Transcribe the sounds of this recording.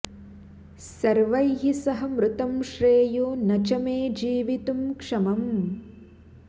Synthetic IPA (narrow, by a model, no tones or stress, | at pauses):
sɐɾʋɐjɦisɐɦɐmɾut̪ɐmʃɾeːjoːnɐt͡ʃɐmeːd͡ʒiːʋit̪umkʂɐmɐm